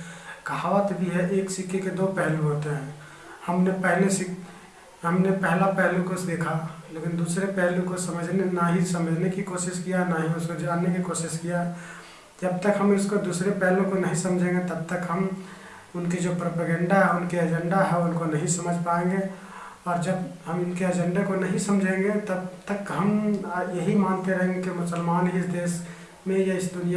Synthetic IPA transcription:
ɡʱaːwət̪bʱiɦɛʔeːksɪkʰeked̪opɛɦlũɦoːt̪eɦɛ̃ | həmnepɛɦlesɪk | ɦəmnepɛɦlapɛɦlũkosd̪eːkʰalekɪnd̪uːsɾepɛɦlũkosəməd͡ʒʱnenaɦisəməd͡ʒʱnekikoːsɪskijanaɦiʊskod͡ʒoaːnekikoːsɪskija | d͡ʒəb̚t̪əkɦəmɪskod̪uːsɾepɛɦlũkonɐɦĩsɐmd͡ʒʱẽːŋɡet̪ɐb̚t̪əkɦəm | ʊnked͡ʒopɾoːpəɡə̃ɳɖaɦɛʊnkeɐd͡ʒə̃ɳɖaɦɛʊnkonɐɦĩsɐməd͡ʒʱpaẽŋɡe | ɔːɾd͡ʒəbɦəmʊnkeɐd͡ʒɛ̃ɳɖakonɐɦĩsəmd͡ʒʱẽŋɡet̪əbt̪əkɦəmjɐɦimaːnt̪eɾəɦẽŋɡekimʊsəlmaːnɦiɪsd̪eːs | mẽjeɪsd̪ʊnija

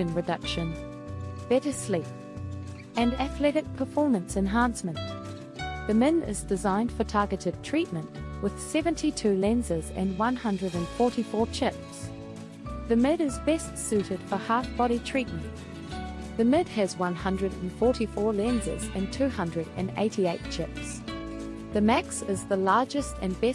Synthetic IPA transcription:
ɨ̃nɹɨdʌkʃɨ̃n | b̥ɛɾəslip̚ | ɨ̃næθlɛɾɨk̚pʰəfɔɹmɨ̃nsɨ̃nɦæ̃nsmɨ̃nʔ | ðɨmɪ̃nɪ̰zdɨzãɪ̃nd̥fə˞tʰɑɹɡɨɾɨd̚tʰɹ̥it̚mɨ̃nʔwʔɨð̥sɛvɨ̃ntʰitʰʉlɛ̃nzəzɨ̰̃nwʌ̃nhʌ̃ndɹɨɾɨ̃nfɔɹɾifɔɹt͡ʃʰɪps | ðɨmɪɾɨzbɛstsʉɾɨd̥fə˞hɑfb̥ɑɾitʰɹ̥it̚mɨ̃nʔ | ðɨmɪd̥̚ɨzwʌ̃nhʌ̃ndɹɨɾɨ̃n̩fɔɹɾifɔɹlɛ̃nzə̰zɨ̰̃ntʰʉhʌ̃ndɹɨɾɨ̰̃nḛɪɾieɪt̚t͡ʃʰɪps | ðɨmæksɪzðəlɑɹd͡ʒɨstɨ̃nbɛ

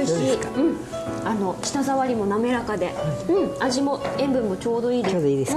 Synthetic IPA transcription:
ɕiɯ̟̃ɴ | ano̞ɕi̥t̪azaβaɾʲimo̞name̞ɾakad̪e̞ɯ̟̃ɴaʑimo̞ẽ̞mbɯ̟̃mːo̞t͡ɕo̞ːd̪o̞iːd̪eoːd̪oiːd̪es

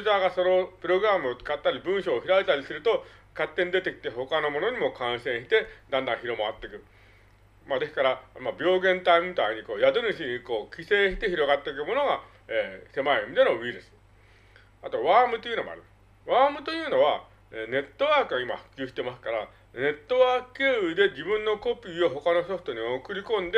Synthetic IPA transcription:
ɯzaːɡaso̞no̞pɯ̟ɾo̞ɡɯ̟ɾamɯ̟o̞t͡sɨ̥kat̪ːaɾʲibɯ̟̃ɰ̃ɕo̞ːçiɾait̪aɾʲisɨɾɯ̟t̪o̞ | kat̪ːe̞ɲ̟id̪e̞t̪e̞kʲi̥t̪e̞ho̞kano̞mo̞no̞ɲ̟imo̞kãɰ̃sẽ̞ɰ̃ɕi̥t̪e̞d̪ãnd̪ãɰ̃çiɾo̞maat̪ːe̞kɯ̟ | mad̪e̞skaɾamabʲo̞ːɡẽ̞nt̪aimʲit̪aiɲ̟iko̞ːjad̪onɯɕiɲ̟iko̞ːkʲise̞ːɕi̥t̪e̞çiɾo̞ɡat̪ːe̞ik̬ɯ̟mo̞no̞ɡa | eːse̞maemʲid̪e̞no̞βiːɾɯ̟sɨ̥ | at̪o̞βaːmɯ̟t̪o̞jiɯ̟no̞moa̰ɾɯ | βaːmɯ̟t̪o̞jɯ̟ːno̞β̞a | eːne̞t̪ːo̞βaːkɯ̟ɡaima̰ɸɯ̟̥kʲɨːɕi̥t̪e̞masɨ̥kaɾa | ne̞t̪ːo̞βaːkɯkeɯd̪e̞d͡ʑibɯ̟̃nːo̞ko̞pʲiːo̞ɦo̞kano̞so̞ɸɯ̟t̪o̞ɲ̟io̞kɯ̟ɾʲikõ̞nd̪e

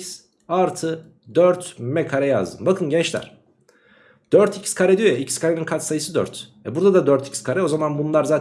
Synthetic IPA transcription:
s | aɾt̪ʰɯ | d̪øɾt̪mɛkʰaɾɛja̰zd̪ɯmbakʰɯnɟɛnt͡ʃlʲæ̰ɾ̥ | d̪̥øɾt̪ʰicʰi̥skʰaɾɛd̪yjojaicʰiskʰaɾeninkʰat̪sajɯsɯd̪ø̰ɾt̪ɛbuɾd̪ad̪ad̪øɾt̪ʰi̥cʰi̥skʰaɾɛo̞zamanbunlˠaɾzaː

